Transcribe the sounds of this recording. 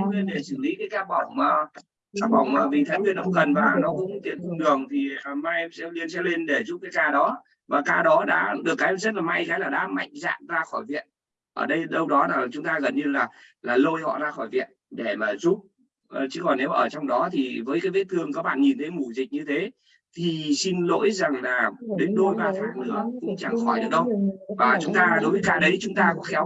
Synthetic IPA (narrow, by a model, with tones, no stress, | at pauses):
le˧nɗe˧˩sɨ˧˩lḭ˧˦˥kaː˨˦jkaː˦˥k̚ɓa˧˩wŋ͡mmaː˨˩ | kaː˦˥k̚ɓa˧˩wŋ͡mmaː˨˩vi˨˩t̪ʰa˨˦jŋmwi˧ənʔɔ̰˧˥wŋ͡mkə˨˩nvaː˨˩nɔ˨˦kʊ̰˧˥wŋ͡mt̪ḭ˧˩əntɔ˧ŋ͡mɗɨ˨˩əŋt̪ʰi˨˩˨ma˧jsɛ̰˧˥li˧ənsɛ̰˧˥le˧nɗe˧˩zu˦˥p̚kaː˨˦jkaː˧ɗɔ˨˦ | vaː˨˩kaː˧ɗɔ˨˦ɗa̰ː˧˥ɗɨ˨˩əkːaː˨˦jzə˦˥t̚laː˨˩ma˧jkaː˨˦jlaː˨˩ɗa̰ː˧˥ma̰˧˨jŋ̟za̰ː˧˨mzaː˧xɔ˧˩jvḭ˧˨ən | ʔəː˧˩ɗə˧jɗə˧wɗɔ˨˦laː˨˩t͡ɕʊ˨˦ŋ͡mt̪aː˧ɣə˨˩nɲɨ˧laː˨˩laː˨˩lo˧jhɔ̰˧˨zaː˧xɔ˧˩jvḭ˧˨ənɗe˧˩maː˨˩zu˦˥p̚ː | t͡ɕɨ̰˨˦kɔ˨˩nːe˨˦wʔəː˧˩t͡ɕɔ˧wŋ͡mɗɔ˨˦t̪ʰi˨˩vəː˨˦jkaː˨˦jvḛ˧˥t̪ʰɨ˨˩əŋkaː˦˥k̚ɓa̰ː˧˨nɲi˨˩nt̪ʰə˨˦jmu˧˩zi˨˩k̚ɲɨ˧t̪ʰe˨˦ | t̪ʰi˨˩si˧nlo̰˧˥jza˨˩ŋlaː˨˩ɗe˨˦ŋ̟ɗo˧jɓaː˨˩t̪ʰaː˧˩ŋnɨ̰˨˦əkʊ̰˧˥ŋ͡mt͡ɕa˧˩ŋxɔ˧˩jɗɨ̰˧˥ŋɗə˧wvaː˨˩t͡ɕʊ˨˦ŋ͡mt̪aː˧ɗo˨˦jvəː˨˦kaː˧ɗə˨˦jt͡ɕʊ˨˦ŋ͡mt̪aː˧kɔ̰˧˥xɛ˨˦w